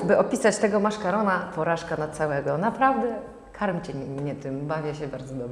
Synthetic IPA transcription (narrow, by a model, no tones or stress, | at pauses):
bɘʔɔpʲisat͡ɕt̪ɛɡɔmaʂkaɾɔnapɔɾaʂkanat̪sawɛɡɔnapɾavd̪ɛ | kʰaɾmʲt͡ɕɛɲɛt̪ɨmbavʲjɛɕɛbaɾd̪zɔd̪ɔbɛ